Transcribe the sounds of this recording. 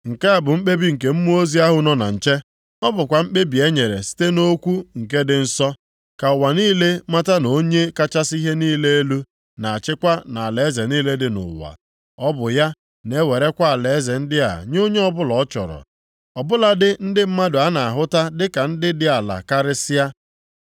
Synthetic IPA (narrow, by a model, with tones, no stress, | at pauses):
ŋ̩˨ke˦a˨bʊ˨ŋ͡m̩˦k͡pe˦bi˦ŋ̩˨ke˦m̩˦mu˦o˦zi˦a˦ɦʊ˦nɔ˦na̰˨n̩˨t͡ʃe˦ | ɔ˦bʊ˨kʷa˨m̩˦k͡pe˦bi˨e˦ɲe˨ɾḛ˨si̥˦te˦no˦kʷu˦ŋ̩˨ke˦dɪ˦n̩˦sɔ˦ | ka˨wa˨niː˦le˦ma˦ta˦no˦ɲe˦ka˦t͡ʃa˦si˦ɦe˦niː˦le˦e˦lu˦ | na˨a˨t͡ʃɪ˦kʷa˦na˨a˨le˨˦ze˨niː˦le˦dɪ˨nʊ̰˨wa̰˨ | ɔ˦bʊ˨ja˦ | ne˦we˨ɾe˦kʷa˦a˨le˨˦ze˨n̩˦dɪ˦a̰˨ɲ˦o˦ɲe˦ɔ˦bʊ˦lɔ˨ɔ˦t͡ʃɔ̰˨ɾɔ̰˨ | ɔ˨bʊ˦la˨dɪ˦n̩˦dɪ˦m̩˦ma˦dʊ˨a˦na˨a˨ɦʊ˦ta˦dɪ˦ka˨n̩˦dɪ˦dɪ˦a˨la̰˨ka˦ɾɪ˦sɪ˦ja˦